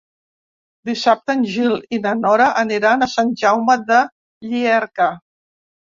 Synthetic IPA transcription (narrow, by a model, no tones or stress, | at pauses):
d̪isap̚t̪ənʲʒilinənɔɾəʔəniɾanəsanʒawməðə | ʎiɛɾkə